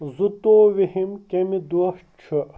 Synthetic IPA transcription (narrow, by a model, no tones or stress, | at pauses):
zut̪oːʋihimkemid̪uɐʂ | t͡ʃʰɨ